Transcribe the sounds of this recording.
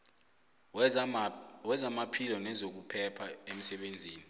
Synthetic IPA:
wɛzamapʰilɔnɛzok̬upʰɛpʰaem̩sɛɓend͡zʱiːni

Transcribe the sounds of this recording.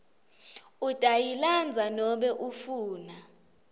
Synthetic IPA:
utʼajiland͡zʱanɔɓɛʔufuːna

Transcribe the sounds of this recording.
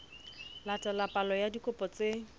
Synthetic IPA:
latʼalapʼalɔjadikʼʊpʼɔt͡se

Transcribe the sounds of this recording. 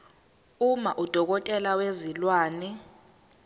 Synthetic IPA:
umaʔud̥ʱɔk̬ɔtʼɛlawezilwaːnɛ

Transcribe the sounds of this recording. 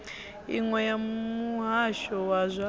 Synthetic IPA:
ḭŋwɛjauɦaʃɔwazʷa

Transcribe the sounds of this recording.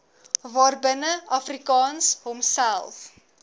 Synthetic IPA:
vɑːrbənəʔɐfrikɑːnsɦɔmsælˠf

